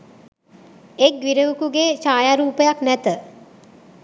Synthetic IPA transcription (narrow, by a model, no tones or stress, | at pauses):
ek̚ɡʋiɾəʋukuɡeːt͡ʃaːjaɾuːpəjaknæt̪ə